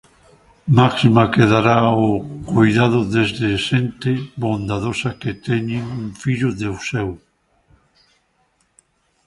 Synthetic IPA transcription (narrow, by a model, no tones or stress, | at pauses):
maksimakeðaɾaokojðað̞ʊðezðeʃent̪eβond̪aðosɐket̪ɛɲɪŋuŋfiʎʊðewsɛw